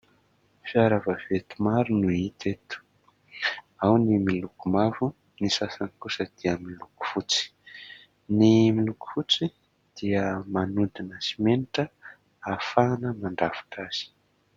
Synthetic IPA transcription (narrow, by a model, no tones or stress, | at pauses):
fiaɾavavet̪umaɾunuit̪et̪u̥ | awnimilukumavu | nisasanikusəd̪̥iəmiluku̥fut͡si̥ | nimiluku̥fut͡si | d̪̥iəmanund̪inəsimeniʈ͡ʂə | afanəmaɳɖ͡ʐafḁʈ͡ʂaz̥i̥